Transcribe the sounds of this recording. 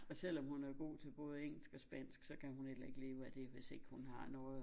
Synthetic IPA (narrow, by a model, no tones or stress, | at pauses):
ɒ̽sel̰ɒ̽mhunæɐɡ̥o̝̰ːt͡sʰe̝b̥ɔ̽ːð̞̩ˠeŋ̰l̩sɡ̥ɒ̽sb̥æn̰sɡ̥sɒ̽kʰæhunel̰ɐe̝ɡ̥le̝ːʊæd̥e̝ʋe̝se̝ɡ̥hunɦɑ̈nɔːð̩ˠ